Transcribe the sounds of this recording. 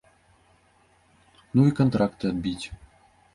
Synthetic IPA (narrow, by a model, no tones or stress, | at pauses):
nuikont̪ɾakt̪ɨɐd̪̚bʲitʲ